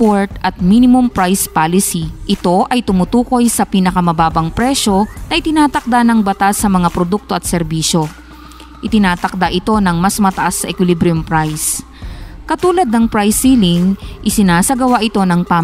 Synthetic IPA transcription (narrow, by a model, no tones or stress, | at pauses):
poɹt̪ʔɐt̪̚miːnɪmʊmpɹajspaːlɪsiʔɪt̪o̞ʔɐjt̪ʊmʊt̪uːko̞jsɐpiːnɐkɐmɐbaːbɐŋpɾɛʃo̞nɐʔɪt̪ɪnaːt̪ɐk̚d̪anɐŋbɐt̪asːɐmɐŋapɾod̪uk̚t̪o̞ʔɐt̪̚sɛɾbiːʃo̞ | ʔɪt̪ɪnaːt̪ɐk̚d̪aʔɪt̪o̞nɐŋmɐsmɐt̪ɐʔasːɐʔɛkwɪlibɾɪʊmpɾajs | kɐt̪uːlɐd̪nɐŋpɾajsːilɪŋʔɪsɪnaːsɐɡɐwaʔɪt̪o̞nɐŋpa